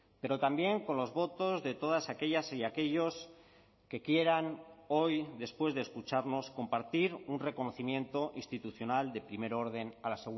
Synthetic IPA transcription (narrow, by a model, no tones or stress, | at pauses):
pe̞ɾo̞t̪ambje̞ŋko̞nlo̞zβo̞t̪o̞zðe̞t̪o̞ð̞asake̞ʎasiake̞ʎo̞s | ke̞kje̞ɾano̞jd̪e̞spwe̞zðeskut͡ʃaɾno̞sko̞mpaɾt̪iɾunre̞ko̞no̞θimjẽ̞nt̪o̞ʔinst̪it̪uθjo̞nald̪e̞pɾime̞ɾo̞ɾð̞e̞nalaseɣu